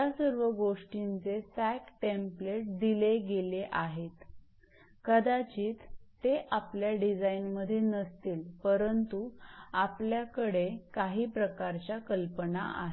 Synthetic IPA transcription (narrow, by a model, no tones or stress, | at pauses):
asəɾʋəɡoʂʈint͡sesækʈempleʈ̚d̪ileɡeleʔaɦet̪ | kəd̪at͡ɕiːt̪t̪ːeʔapljaɖid͡zainməd̪ʱːjenəst̪iːlpəɾənt̪uapljakəɽekaɦiːpɾəkaɾt͡ɕjakəlpənaʔa̰ɦe